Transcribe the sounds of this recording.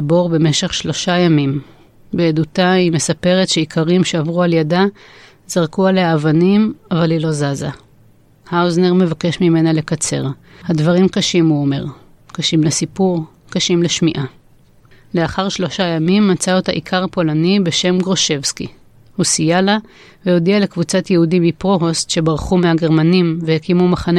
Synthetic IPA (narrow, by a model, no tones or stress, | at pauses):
bo̞ʁbe̞me̞ʃe̞χʃlo̞ʃajamim | beːdutaime̞sape̞ʁe̞tʃe̞ikʰaʁimʃe̞avʁualjada | zaʁkualeaːvanimavalilo̞zaza | haozneʁme̞vake̞ʃmime̞nale̞kat͡se̞̰ʁ | hadvaʁimkaʃimuome̞ʁ | kaʃimlesipuʁ | kaʃimleʃmiʔa | le̞aχaʁʃlo̞ʃajamimːat͡saotaʔikʰaʁpo̞lanibe̞ʃe̞mɡʁo̞ʃe̞vski | husijala | vejo̞diale̞kvut͡satjehudimipʁoɦostʃe̞baʁχumehaɡe̞ʁmanimvehekimumaχane